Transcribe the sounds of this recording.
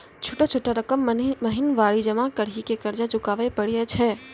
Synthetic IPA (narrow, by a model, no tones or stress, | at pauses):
t͡ʃʰuʈat͡ʃʰuʈːaɾəkəmməɦɪnʋaːɽid͡ʒəmakəɽɦikekəɾd͡ʒad͡ʒʊkaːʋɛpəɽjɛt͡ʃʰɛ